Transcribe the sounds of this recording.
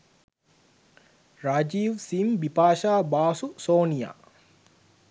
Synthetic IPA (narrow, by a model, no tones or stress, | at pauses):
ɾad͡ʒiːʋsimbipaːʃaːbaːsusoːnija̰ː